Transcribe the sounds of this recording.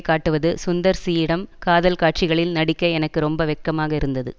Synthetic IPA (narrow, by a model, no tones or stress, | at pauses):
kːaːʈːɯʋɐðɯsʊnd̪ɐɾsiːjɪɽɐmkaːðɐlkaːʈ̚t͡ʃɪɣɐɭɪlnɐɽɪkːɐɪɛnɐkːɯɾɔmbɐʋɛkːɐmaːɣɐɪɾɯnd̪ɐðɯ̰